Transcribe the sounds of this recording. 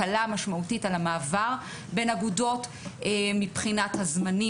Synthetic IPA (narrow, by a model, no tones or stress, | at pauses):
alamaʃmautitalamaːvaʁ | be̞naɡudo̞t | emipχinathazmani